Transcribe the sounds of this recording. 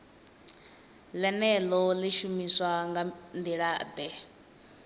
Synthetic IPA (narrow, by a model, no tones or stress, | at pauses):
lɛnɛlɔleʃumiswaŋɡand̪iɺad̪ɛ